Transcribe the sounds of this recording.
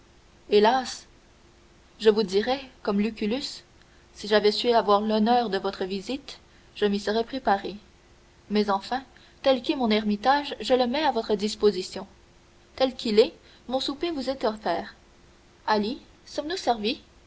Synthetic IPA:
elas | ʒəvud̪iʁɛkɔmlykʲylys | siʒavɛsɥɛavwaːʁlɔnœːʁd̪əvɔt̪χəvizit̪ | ʒ̥əmisəʁɛpχepaʁe | mɛzɑ̃fɛ̃ | t̪ɛlkɛmɔ̃nɛʁmit̪aʒʒələmɛavɔt̪χəd̪ispozisjɔ̃ | t̪ɛlkʰʲilɛ | mɔ̃supevuzɛt̪ɔfɛːʁ | ali | sɔmnusɛʁvi

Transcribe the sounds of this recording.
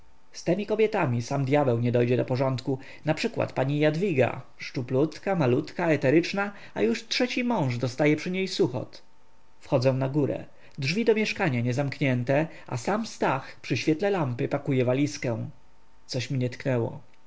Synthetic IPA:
st̪ɛmʲikɔbʲjɛt̪amʲisamd̪ʲjabɛwɲɛd̪ɔjd͡ʑɛd̪ɔpɔʐɔnt̪ku | napʂɘkwa̰t̪paɲijad̪vʲiɡa̰ | ʂt͡ʂuplut̪kamalut̪kaɛt̪ɛɾɘt͡ʂna | a̰juʂtʂɛt͡ɕimɔ̃w̃ʐd̪ɔst̪ajɛpʂɘɲejsuxɔ̰t̪ | fxɔd̪zɔ̃w̃naɡuɾɛ̰ | dʐvʲid̪ɔmʲjɛʂkaɲaɲɛzamkɲɛnt̪ɛ | ʔa̰samst̪axpʂɘɕfʲjɛt̪lɛlampɘpakujɛvalʲiskɛw̃ | t̪sɔɕmʲiɲɛt̪knɛwɔ̰

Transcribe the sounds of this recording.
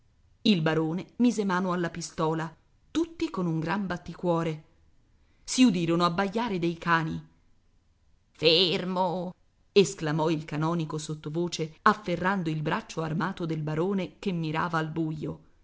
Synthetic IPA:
ilbaɾoːnemiːzemaːnoalːapist̪ɔːla | t̪ut̪ːikonuŋɡɾambat̪ːikwɔːɾe | siud̪iːɾonoabːaʎːaːɾed̪ejkaːni | fermo | esklamɔilkanɔːnikosot̪ːovoːt͡ʃeafːerːand̪oilbɾat͡ʃːoarmaːt̪od̪elbaɾoːnekemːiɾa̰ːvaːlbujːo

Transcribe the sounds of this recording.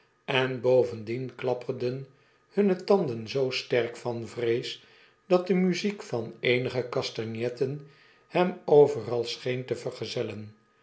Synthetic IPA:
ɛnbowvəndinklɑpərdən | hɵnətɑnd̪ənzowstɛrkfɑnvrejs | d̥ɑt̚dəmyzikfɑnejnəχəkɑstɑnjɛtən | hɛmowvərɑlˠsχejntəvərχəzɛlən

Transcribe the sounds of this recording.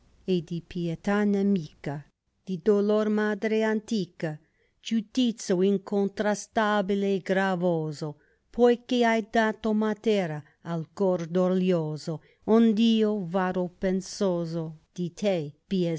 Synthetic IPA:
ed̪ipjet̪anemiːka | d̪̥id̪olormad̪ɾeant̪iːka | d͡ʒut̪it̪sjoiŋkont̪ɾast̪abileːɡɾavoːzo | pʰojkeajd̪aːt̪omat̪eːɾaː | lkord̪oljoːzo | ond̪iːovaɾopensoːzod̪̥it̪ʰepie

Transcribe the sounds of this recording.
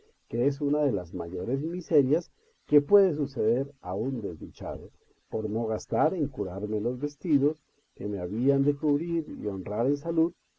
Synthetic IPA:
ke̞es̬unaðe̞lazmaʝo̞ɾe̞zmise̞ɾjas | ke̞pwe̞ðe̞s̬use̞ðe̞ɾaund̪e̞zd̪it͡ʃa̰ðo | po̞ɾno̞ɣast̪aɾe̞ŋkuɾaɾme̞lo̞zβe̞st̪iðo̞s | ke̞me̞aβiand̪e̞kuβɾiɾḭo̞nraɾe̞nsaluð

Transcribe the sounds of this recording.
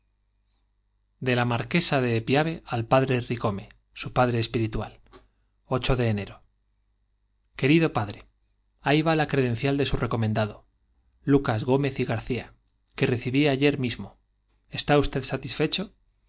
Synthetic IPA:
d̪e̞lamaɾke̞saðe̞ːpjaβ̞e̞ʔalpaðɾe̞riɣo̞me | supaðɾe̞ːspiɾit̪wa̰l | o̞t͡ʃo̞ðe̞ːne̞ɾo̞ | ke̞ɾiðo̞paðɾe̞ | ajβalakɾe̞ðẽ̞n̟θjald̪e̞sure̞ko̞mẽ̞nd̪aðo | lukazɣo̞me̞θiɣaɾθia | ke̞re̞θiβiaʝe̞ɾmizmo̞ | e̞st̪aust̪e̞ðsat̪isfe̞t͡ʃo̞

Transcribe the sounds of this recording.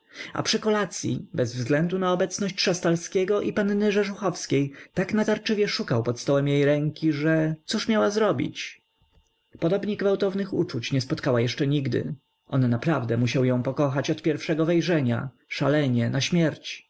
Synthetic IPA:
a̰pʂɘkɔlat̪sʲjḭbɛzvzɡlɛnd̪unaɔbɛt̪snɔɕt͡ɕʂast̪alskʲɛɡɔʔipannɘʐɛʐuxɔfskʲejt̪aknat̪aɾt͡ʂɘvʲjɛʂukawpɔt̪st̪ɔwɛmjejɾɛŋkʲiʐɛt̪suʂmʲjawazɾɔbʲḭt͡ɕ | pɔd̪ɔbɲɛɡvawt̪ɔvnɘxṵt͡ʂut͡ɕɲɛspɔt̪kawajɛʂt͡ʂɛɲiɡd̪ɘ̰ | ʔɔnːapɾavd̪ɛmuɕawjɔ̃w̃pɔkɔxat͡ɕɔt̪pʲjɛɾfʂɛɡɔvɛjʐɛɲa̰ | ʂalɛɲɛnaɕmʲjɛɾt͡ɕ

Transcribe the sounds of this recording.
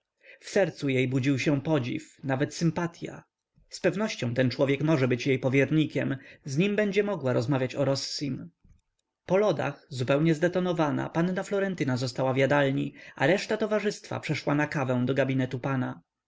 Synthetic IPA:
fsɛɾt̪sujejbud͡ʑiwɕɛ̃pɔd͡ʑḭfnavɛt̪sɘmpat̪ʲja̰ | spɛvnɔɕt͡ɕɔ̃w̃t̪ɛnt͡ʂwɔvʲjɛkmɔʐɛbɘt͡ɕjejpɔvʲjɛɾɲikʲɛmzɲimbɛɲd͡ʑɛmɔɡwaɾɔzmavʲjat͡ɕɔɾɔsːim | pɔlɔd̪a̰xzupɛwɲɛzd̪ɛt̪ɔnɔvana̰panːaflɔɾɛnt̪ɘnazɔst̪awavʲjad̪alɲḭa̰ɾɛʂt̪at̪ɔvaʐɘst̪fa̰pʂɛʂwanakavɛ̃w̃d̪ɔɡabʲinɛt̪upana

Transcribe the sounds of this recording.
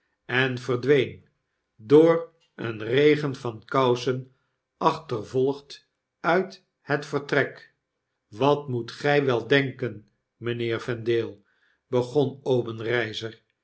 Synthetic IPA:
ɛnvərdʋejn | doːr | ə̰nrejχənvɑnkɑwsən | ɑχtərvɔlˠəχt | œɥt | hətfərtrɛk | ʋɑtmutχɛjʋɛlˠdɛŋkən | mənɪːɹvɛndeːlˠ | b̥əχɔnowbənrɛjzər

